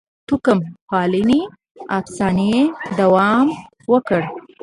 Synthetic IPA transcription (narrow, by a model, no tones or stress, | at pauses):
t̪ukəmpɑlini | afsɑned̪awɑm | wəkəɽ